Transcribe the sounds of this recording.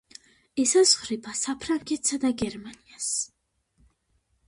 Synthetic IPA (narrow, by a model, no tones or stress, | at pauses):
ɛsasχɾipʰasapʰɾaŋkʼɛt̪sad̪aɡɛɾmanias